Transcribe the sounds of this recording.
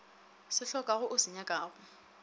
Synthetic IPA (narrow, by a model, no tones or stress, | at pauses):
sɪɬɔkʼaɣʊʔʊsɪɲakʼaːɣʊ